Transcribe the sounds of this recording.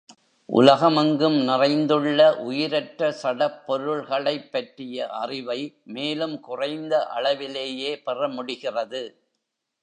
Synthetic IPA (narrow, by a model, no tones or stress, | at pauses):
ʔʊ̰lɐɣɐmɐŋɡɯmnɪrɐɪnd̪ɯɭːɐʔʊjɪɾɐʈrɐsɐɽɐpːɔɾɯɭɣɐɭɐɪpːɐʈrɪjɐʔɐrɪʋɐɪmeːlɯmkʊrɐɪnd̪ɐʔɐ̰ɭɐʋɪleːjeːpɛrɐmʊɽɪɣɪrɐðɯ